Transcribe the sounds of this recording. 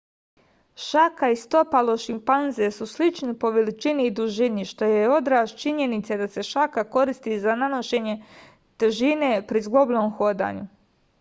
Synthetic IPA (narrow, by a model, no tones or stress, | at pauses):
ʃakaist̪o̞palo̞ʃimpanze̞suslit͡ʃnipo̞ʋelit͡ʃiniːd̪uʒiniʃt̪o̞jeo̞d̪ɾaːʃt͡ʃiɲe̞nit̪sed̪ase̞ʃakako̞ɾist̪izanano̞ʃe̞ɲe̞ | t̪eʒinepɾizɡlˠoblʲoːmxo̞ːd̪a̰ːɲu